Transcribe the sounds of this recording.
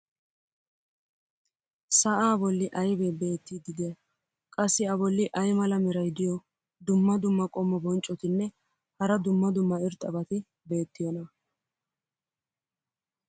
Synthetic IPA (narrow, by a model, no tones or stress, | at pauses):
sɐʔaːbɔlːɪʔɐjbebe̞ːt̪ːid̪ɪd̪ɛɐ | kʼɐsːɪɐbɔlːɪʔɐjmɐlɐmɛɾɐjd̪ɪjɔ | d̪ʊmːɐd̪ʊmːɐkʼɔmːɔbɔnt͡ʃʼɔt̪ɪnːɛ | hɐɾɐd̪ʊmːɐd̪ʊmːɐɪɾt̪ʼːɐbɐt̪ɪ | be̞ːt̪ːɪjɔnɐ